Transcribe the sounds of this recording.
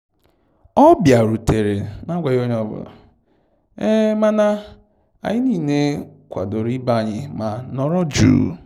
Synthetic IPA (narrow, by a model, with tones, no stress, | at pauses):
ɔ˦bja˨ɾu˨te˨ɾe˨na˦ɡʷa˨jo˦ɲ˦ɔ˦bʊ̰˨la̰˨ | e˦ma˦na˦ | a̰˨ɲɪ˦niː˦˨ne˦kʷa̰˨do˨ɾi˦ba˦˨ɲɪ˨ma˨nɔ˦ɾɔ˦d͡ʒṵː˦